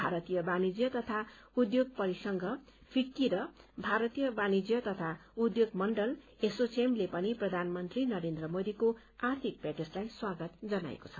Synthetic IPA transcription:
bʱaɾʌt̪ijʌbanid͡zjʌt̪ʌt̪ʰa | ud̪joɡ̚pʌɾisʌŋɡʱʌ | pʰikːiɾʌbʱaɾʌt̪ijʌbanid͡zjʌt̪ʌt̪ʰaud̪joɡmʌɳɖʌl | esot͡semlepʌniprʌd̪ʱanmʌnt̪rinʌɾend̪rʌmod̪iko | art̪ʰik̚peʈeslajswaɡʌt̪d͡zʌna̰ḛko̥t͡sʰʌ̥

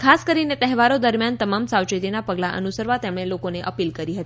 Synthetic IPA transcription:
kʰaskəɾinet̪ɛɦɛʋaɾod̪əɾmjant̪əmamsawt͡ʃit̪inapəɡlaʔə̰nusəɾʋat̪emɽ̃elokoneʔəpilkəɾiɦət̪i

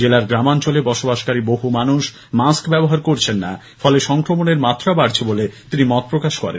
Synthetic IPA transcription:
d͡ʑelaɾɡɾamant͡ɕolebɔʃobaʃkaɾiboɦumanuʃ | maskbɛboɦaɾkoɾt͡ɕʰenːa | fɔleʃɔŋkɾomoneɾmat̪ːɾabaɽt͡ɕʰebolet̪inimɔt̪̚pɾokaʃkɔ̰ɾḛn

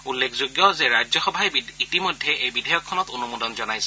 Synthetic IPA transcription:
ulːekʰzoɡjɔzɛɹazɔxɔbʱajitimɔjdʱːɛʔejbidʱajɔkʰːɔnɔtonumudɔnzɔnajsɛ

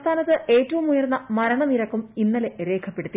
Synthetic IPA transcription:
t̪ʰaːnɐt̪ːɨʔeːtːɐʋumujɐrnːɐmɐɾɐɳɐniɾɐkːuminːɐleɾe̞ːkʰɐpːe̞ɽut̪ːi

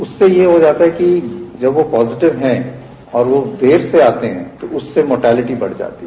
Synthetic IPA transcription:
ʊsːejeɦod͡ʒaːt̪aɦɛkid͡ʒɐbʋopɔːzɪʈɪʋɦɛ̃ | ɔːɾʋod̪ʱeːɾseaːt̪eɦɛ̃t̪oʊsːemoːʈɛːlɪʈibɐ̰ɽ̤d͡ʒa̰ːt̪iɦ

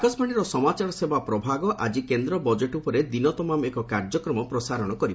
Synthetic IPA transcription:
kasmaɽ̃iɾɔsɔmat͡ʃaɾɔsebapɾɔbʱaɡɔʔa̰d͡ʒikend̪ɾɔbɔd͡ʒeʈupɔɾed̪inɔt̪ɔmamekɔkaɾd͡ʒɔkɾɔmɔpɾɔsaɾɔɽ̃ɔkɔɾib

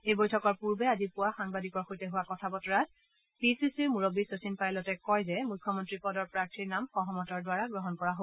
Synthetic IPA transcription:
ejbojtʰɔkɔɹpuɹbɛazipuwaxaŋbadikɔɹxojtɛɦʊwakɔtʰabɔtɔɹat̚ | pisisiɹmuɹobisosinpajlɔtɛkɔjzɛmujkʰːɔmɔntɹipɔdɔɹpɹaɹtʰiɹnamxɔɦɔmɔtɔɹdwaɹaɡɹɔɦɔnkɔɹaɦo

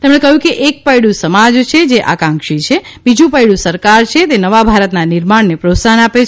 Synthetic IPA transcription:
t̪emɽ̃ekəɦjũkeʔek̚pəjɽũsəmad͡ʒt͡ʃʰed͡ʒeʔa̰kãŋkʃit͡ʃʰe | bid͡ʒũpəjɽũsəɾkaɾt͡ʃʰet̪enəʋabʱaɾət̪nanɪɾmaɳnepɾosanapet͡ʃʰ

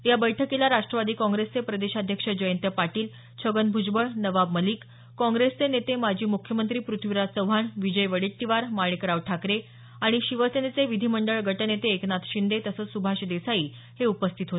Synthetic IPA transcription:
jabəjʈʰəkilaɾaʂʈɾəʋad̪iːkɔ̃ŋɡɾest͡sepɾəd̪eɕad̪ʱjəkʂəd͡ʑəjənt̪əpaʈiːl | t͡ɕʰəɡənbʱud͡ʑbəɭnəʋabməliːkː | ɔ̃ŋɡɾest͡senet̪emad͡ʑʱiːmukʰjəmənt̪ɾiːpɾut̪ʰʋiɾasəwbʱaɳʋid͡ʑəjʋəɽiʈ̪ːiʋaɾmaɭekɾaʋʈʰakɾe | aɽ̃iɕiʋəsenet͡seʋid̪ʱiməɳɖəɭɡʱəʈənet̪eːknat̪ʰɕind̪et̪əsəːt͡ssubʱaɕd̪esajiː | heupəst̪ʰit̪ɦot̪e

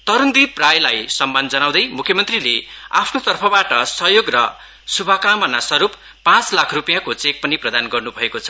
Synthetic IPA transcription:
t̪ʌɾund̪iprajlajsʌmːand͡zʌnaw̃d̪ʌjmukʰjʌmʌnt̪rilea̰pʰnot̪ʌrpʰʌbaʈʌsʌɦjoɡrʌ̰ | subʱʌkamʌnasʌɾup | pãt͡slakʰrupijãkot͡sek̚pʌniprʌd̪anɡʌrnubʱʌekot͡sʰʌ̥

